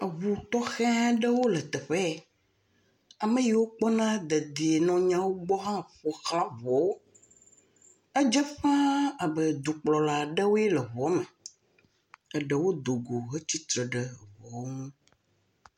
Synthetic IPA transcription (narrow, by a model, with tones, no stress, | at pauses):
ə˨βu˨t̪ɔ˦xɛ̃˦ã˦ɖə˦wo˦lɛ˨t̪ɛ˨ɸɛ˦˨ | a˨mə̃˦ji˨wo˦k͡pɔ˦nã˦d̪ə˨d̪i˨e˨nɔ̃˨ɲã˦wo˦ɡ͡bɔ˦ɦã˦ɸɔ˨xa˦vɔ˨wo˦ | ə˦d͡ʒɛ˦ɸã˦a˨bə˨d̪u˨k͡plɔ˨la˨ɖə˦wo˦ɛ˦lə˨βɔ˨˦mɛ̃˨ | ə˨ɖə˨wo˦d̪o˨ɡo˨ɦe˦t͡ɕi˦t̪ɾə˨ɖə˨vɔ˨˦ŋũ˦